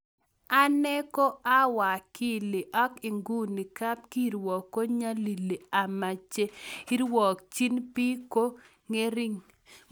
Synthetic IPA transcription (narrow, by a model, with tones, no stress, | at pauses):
a˦nɛ˦ko˦ʔa˦wa˨ki˦˨lɪ˨ʔɔ˦kɪ˨ŋɡu˦ni˨ka˦p̚ki˦˨ɾwɔ˨kːo˦ɲa˦li˨li˨a˨ma˨t͡ʃe˦i˦ɾwɔ˨kt͡ʃi˦npi˦ko˦ | ŋe˦ɾi˦ŋ